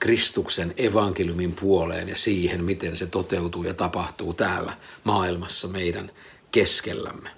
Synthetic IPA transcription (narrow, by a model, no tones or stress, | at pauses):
krist̪ukseneʋɑŋkeljumimpuolḛːnjɑsiːhenmit̪enset̪ot̪eut̪uːjɑt̪ɑpɑht̪uːt̪æːlːæ̰mɑːilmɑsːɑmeidæ̰n | keskḛlːæ̰mːe